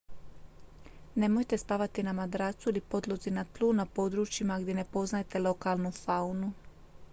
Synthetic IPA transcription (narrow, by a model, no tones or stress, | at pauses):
ne̞mo̞jt̪e̞spaʋat̪inamad̪ɾaːt̪suilipo̞d̪lˠozinat̪lˠuːnapo̞d̪ɾuːt͡ʃimaɡd̪jene̞po̞znajt̪e̞lo̞kaːlˠnufaunu